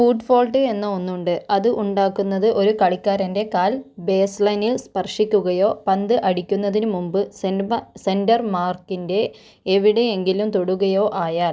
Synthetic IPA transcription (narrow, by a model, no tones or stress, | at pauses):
fuːʈfo̞ːlʈɨe̞nːɐonːuɳɖɨɐðɨʔuɳɖaːkːunːɐðɨʔo̞ɾukɐɭikʲːaːɾɐnde̞kaːlbe̞ːslɐjnilspɐrʂikʲːuɣɐjo̞ːpɐnd̪ɨʔɐɽikʲːunːɐðinɨmumbɨsse̞ndɐrmaːrkːinde̞ | eʋiɽe̞eŋɡilumt̪o̞ɽuɣɐjo̞ːʔaːjaːl